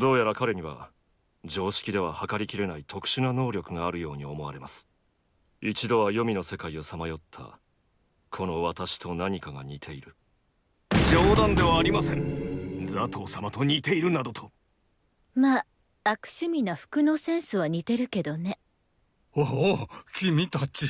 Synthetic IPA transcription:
d̪o̞ːjaɾakaɾe̞ɲ̟iβa̰ | d͡ʑo̞ːɕi̥kʲid̪e̞β̞ahakaɾʲikʲiɾe̞nait̪ʰo̞kɯ̟̥ɕɨnano̞ːɾʲo̞kɯ̟ŋaːɾɯ̟jo̞ːɲ̟io̞mo̞βaɾe̞masɨ̥ | it͡ɕid̪o̞βajo̞mʲino̞se̞kaio̞samajo̞t̪ʰːa̰ | kʰo̞no̞βat̪aɕi̥t̪o̞naɲ̟ikaɡaɲ̟it̪ʰe̞iɾɯ̟ | ʑoːd̪ãnd̪e̞βaːɾʲimasẽ̞ŋd͡zat̪oːsamat̪o̞ɲ̟iːt̪e̞iɾɯ̟nad̪o̞t̪ʰo | maː | akɯ̥ɕɨmʲinaɸɯ̟̥kɯ̟no̞sẽ̞ɰ̃sɨβaɲ̟it̪e̞ɾɯ̟ke̞d̪o̞ne̞ | okʲimʲit̪at͡ɕi

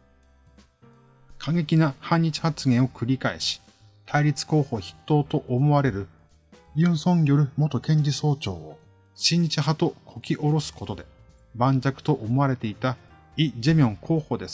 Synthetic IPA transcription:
kʰaŋe̞kʲinahãɲ̟ːit͡ɕi̥hat͡sɨɡẽɰ̃o̞kɯ̟ɾʲikae̞̰ɕi̥ | t̪ʰaiɾʲit͡sɨ̥ko̞ːho̞ːçi̥t̪ːo̞ːt̪o̞ʔomo̞βaɾe̞ɾɯ̟ | jʲɯ̟̃ɰ̃sõ̞ɲjo̞ɾɯ̟mo̞t̪o̞kẽ̞ɲ̟d͡ʑiso̞ːt͡ɕo̞̰ːo | ɕĩɲ̟t͡ɕiɦat̪o̞kʰo̞kʲiʔo̞ɾo̞sɨ̥ko̞t̪od̪e̞ | bãɲ̟d͡ʑakɯ̟̥t̪o̞ʔomo̞aɾe̞t̪e̞it̪a | id͡ʑimʲõ̞ŋkʰo̞ːho̞ːd̪e̞sɨ̥

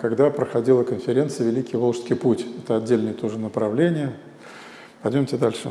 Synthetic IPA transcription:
kɐɡd̪apɾəxɐdʲilˠəkənfʲɪɾʲe̞nt̪sɨjəvʲɪlʲikʲɪjvolˠʂskʲɪjputʲɛt̪əɐdʲːelʲnəjət̪oʐɨnəpɾɐvlʲenʲɪjə | pɐjdʲomtʲed̪alʲʂɨ

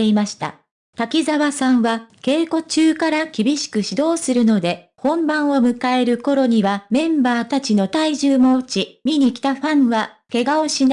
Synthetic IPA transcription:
eimaɕi̥t̪a̰ | t̪akʲizaβasãɰ̃βake̞ːko̞t͡ɕɨːkaɾakʲibʲiɕi̥kɯ̟ɕid̪o̞ːsɨɾɯ̟no̞d̪e̞hõ̞mbãɰ̃o̞mɯ̟kae̞ɾɯ̟ko̞ɾo̞ɲ̟iβamẽ̞mbaːt̪at͡ɕino̞t̪aiʑɨːmot͡ɕimʲiɲ̟ikʲi̥t̪aɸãɰ̃βa | ke̞ɡao̞ɕin

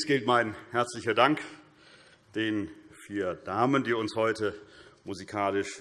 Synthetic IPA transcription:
sɡ̥ɪltmaɪnhɛɐt͡slɪçɐdaŋk | d̥eːnfiːɐdaːməndiːʊnshɔʏtəmuzikʰaːlɪʃ

